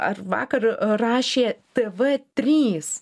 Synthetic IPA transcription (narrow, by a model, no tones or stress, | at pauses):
ɐ̰rʋɑ̰ːkɐrɾɑːʃʲeːt̪ʲeːʋɛt̪ʲɾʲiːs